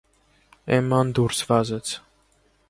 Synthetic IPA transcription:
ɛmːɑnd̪uɾsvɑzɛt͡sʰ

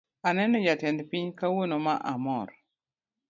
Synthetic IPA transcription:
anɛnɔjatɛndpiɲkawonoma̰ʔa̰mɔɾ

